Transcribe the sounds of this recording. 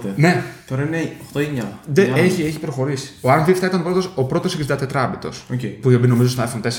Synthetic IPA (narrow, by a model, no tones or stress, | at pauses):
t̪ene̞t̪oɾɐineoxt̪oeɲɐðeeçieçi̥pɾoxo̞ɾisi̥oɐnfift̪ɐit̪ɐnopɾot̪osopɾo̞t̪oseksid̪ɐt̪et̪ɾɐbit̪o̞̰socepuiobino̞mizost̪oɐjfont̪es